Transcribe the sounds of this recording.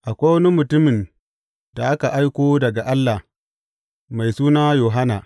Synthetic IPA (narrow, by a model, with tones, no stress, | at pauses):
ʔa˨kʷa˦wɐ˦ni˦mʊ˨tʊ˦mɪ˨n | da˨ʔa˦ka˨ʔa˦jkʷoː˦dɐ˨ɡa˨ʔa˦lːa˨h | ma˨jsuː˦naː˦joː˨ɦa˦naː˨